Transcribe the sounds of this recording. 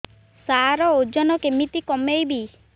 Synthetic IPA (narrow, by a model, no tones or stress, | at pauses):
saɾɔod͡ʒɔnɔkemit̪ikɔmejbi